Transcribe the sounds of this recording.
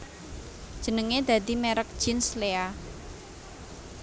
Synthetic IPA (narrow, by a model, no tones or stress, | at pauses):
d̥ʒ̥ə̤nəŋed̪̥ä̤d̪i̤mɛɾək̚d̥ʒ̥inslea